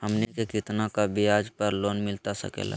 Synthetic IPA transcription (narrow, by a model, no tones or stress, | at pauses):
həmnekekɪt̪nakabʱiaːd͡ʒpəɾloːnmɪlt̪asə̰kḛla̰